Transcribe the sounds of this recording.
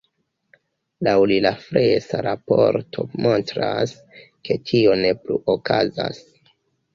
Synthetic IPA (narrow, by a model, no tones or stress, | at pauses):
lawlilafɾesaɾapo̞ɾtʰo̞mo̞ntɾas | kʰe̞tʰio̞ne̞pluʔokazas